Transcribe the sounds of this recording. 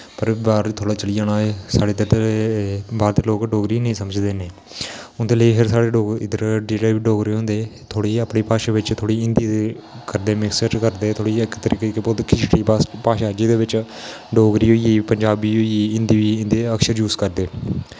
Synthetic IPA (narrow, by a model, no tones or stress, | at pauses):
pəɾbaːɾt̪ʰoːɽaːt͡ʃəliːaːnaːesaːɽeːd̪əɾe | baːɾt̪eːloːkɖoːɡɾiːnəĩːsəməd͡ʒd̪eːneː | ʊnd̪eːləiːpʰɪɾsaːɽeːɖoːɡɪd̪əɾɖiːɾaːʋɖoːɡɾeːɦõːnd̪eːt̪ʰoːɽiːəpɳiːpaːʃaːʋɪt͡ʃt̪ʰoːɽiːɪnd̪iːekəɾd̪eːmɪksəʈkəɾd̪eːt̪ʰoːɽiːɪkt̪əɾiːkekepod̪kʰɪt͡ʃʈiːpapaːʃaːd͡ʒiːd̪eːʋɪt͡ʃɖoːɡɾiːɦoːiːiːpəɲd͡ʒaːbiːɦoːiiːɪnd̪iːʋiːɪ̃nd̪eːəkʃəɾjuːzkəɾd̪eː